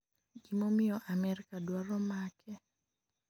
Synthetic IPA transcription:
ɡimomɪjɔʔamɛrkadwaɾɔmakʰɛ

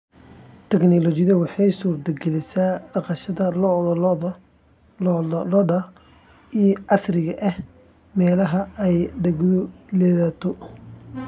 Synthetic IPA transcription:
t̪ʰɛknɔlɔt͡ʃɪðɐwɑħɑjsuːrt̪ʰɐɡɛlɪsaːɖɑqɑʃɐðɐll | lɔɖɐ | ijɔɑsrɪɣɐʔɐh | mɛːlɐɦɐɛjɖɐɡʊlɛːðaːt̪ʰɔ

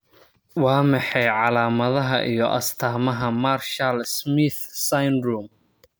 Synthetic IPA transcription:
wɑːmɑħɛjʕɑlaːmɐðɐɦɐʔijɔʔɐ̰st̪ʰaːmɐɦɐmaːrʃɐlsmɪθsajnɾuːm

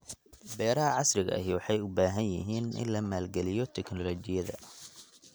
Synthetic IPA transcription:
bɛːɾɐɦɐʕɑsrɪɣɐ̰ɐ̰ɦɪwɑħɑjʊbaːɦɐnjɪ̰ɦiːnʔɪ̰nlɐmaːlɡɛlɪjɔt̪ʰɛknɔlɔt͡ʃɪjɐðɐ̰

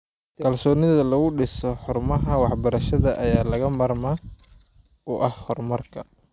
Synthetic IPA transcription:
kʰɐlsɔːnɪðɐlɐɣʊɖɪsɔħʊrmɐɦɐwɑħbɐɾɐʃɐðɐʔɐjaːlɐɣɐmɐrmɐː | ʊʔɐhhɔrmɐrkʰɐ

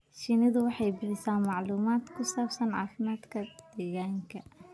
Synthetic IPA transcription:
ʃɪnɐðʊwɑħɑjbɪħɪsaːmɑʕluːmaːd̪kʰʊsaːbsɐnʕɑ̰ːfɪmaːd̪kʰɐd̪̥ɛːɣaːŋkʰɐ

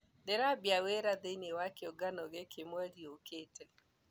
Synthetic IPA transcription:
deɾabjaweɾaðeinewakeɔɡanɔɣekʰemwɛɾioketɛ

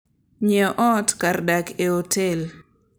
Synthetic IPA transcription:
ɲɛʔɔtkardakeotel

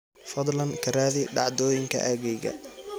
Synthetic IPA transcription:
fɐd̪ˤlɐnkʰɐraːðɪɖɑʕd̪ɔːjɪŋkʰɐ̰ʔɐɣɛjɣɐ̰

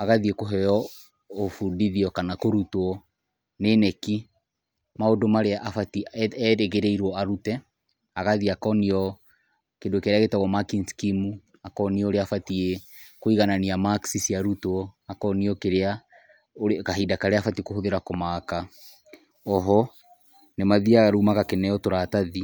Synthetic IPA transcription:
aɣaðiekoɦɛjɔ | ofundiðiɔkanakoɾutwɔ | nenɛki | maodomaɾeaʔafatiɾeɣeɾeiɾwɔaɾutɛ | aɣaðiakɔniɔ | kendokeɾeaɣetaɣɔmakinskimu | akɔniɔoɾeafatiekoiɣananiamaksisiaɾutoɔakɔniɔkeɾea | oɾkaɦidakaɾeafatikoɦoðeɾakɔmaka | ɔɦɔ | nemaðiaaɾumakakenɛjɔtoɾataði

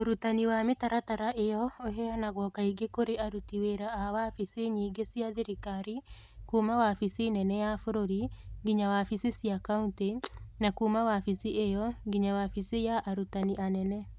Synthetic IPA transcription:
oɾutaniwametaɾataɾaʔejɔoɦɛanaɣɔkaiɡekoɾeaɾutiweɾaːawafiseɲiːɡesiaðeɾikaɾi | kuːmawafisenɛnɛjafoɾoɾiŋɡiɲawafisesiakauntenakumawafisiʔejɔŋɡiɲawafisejaʔaɾutaniʔanɛnɛ

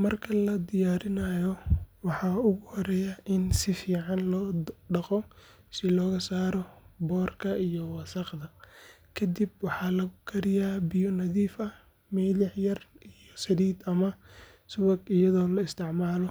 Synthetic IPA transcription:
mɐrkʰɐlɐd̪ɪjaːɾɪnɐjɔwɑħɑːʊɣʊhɔɾɛːjaʔɪnsɪfiːʕɑnlɔːɖɑqɔ | sɪlɔːɣɐsaːɾɔbɔːrkʰɐijɔwɑsɐqðɐkʰɐd̪ib̚wɑħɑːlɐɣʊkʰɐɾɪjaːbɪjɔnɐðiːfɐ | mɛlɪħjɐrʔijɔsɐd̪iːd̪ɐmɐ | sʊwɐɡɪjɐðɔːlɐɪst̪ʰɪʕmaːlɔ

